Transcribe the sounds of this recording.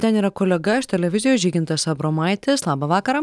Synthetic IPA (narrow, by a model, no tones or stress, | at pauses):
t̪ʲɛniːɾɐkoːlʲɛɡɐɪʃt̪ʲɛlʲɛʋʲɪzʲɪjoːʒʲiːɡʲɪnt̪ɐsɐbɾoːmɐɪt̪ʲɪslˠɑːbɐʋɑːkɐɾɑː